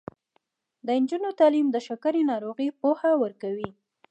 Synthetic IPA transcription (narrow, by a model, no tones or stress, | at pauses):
d̪əɪnd͡ʒunot̪ɑlimd̪əʃakaɾinɑɾoɣipohawəɾkawi